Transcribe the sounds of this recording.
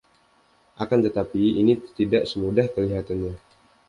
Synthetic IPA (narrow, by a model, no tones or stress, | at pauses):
ʔakant̪ət̪apiinit̪idaʔsəmudahkəliɦat̪anɲa